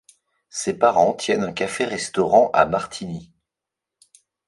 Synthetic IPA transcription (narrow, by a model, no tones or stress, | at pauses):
sepaʁɑ̃t̪ʰjɛnɛ̃kafeʁɛst̪ɔʁɑ̃ʔa̰maʁt̪ʰini